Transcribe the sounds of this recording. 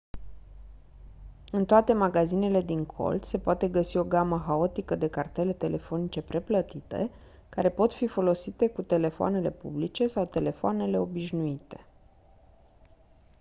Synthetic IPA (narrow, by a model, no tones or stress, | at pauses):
ɨnt̪oat̪e̞maɡazine̞le̞d̪iŋkʰo̞̰ld̪se̞poat̪e̞ɡəsio̞ɡaməxao̞t̪ikəd̪e̞kart̪e̞le̞t̪e̞lʔe̞fo̞nit͡ʃe̞pɾe̞plət̪it̪ḛ | kaɾe̞po̞t̪fifo̞lo̞sit̪e̞kut̪e̞le̞foa̰ne̞le̞pṵblit͡ʃe̞sawt̪e̞le̞foane̞le̞o̞biʃnuit̪e̞̥